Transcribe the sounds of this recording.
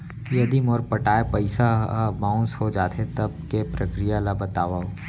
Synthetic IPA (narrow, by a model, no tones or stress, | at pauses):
jɐd̪imɔːɾpɐʈaːepɐɪsamãʊ̃nsɦod͡ʒaːt̪ʰet̪ɐb̚kepɾɐkɾijalabɐt̪aːʋao